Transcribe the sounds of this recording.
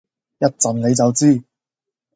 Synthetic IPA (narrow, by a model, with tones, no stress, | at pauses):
jɐ˥t̚t͡sɐ˨˩nne˨˧jt͡sɐ˨wt͡siː˥˩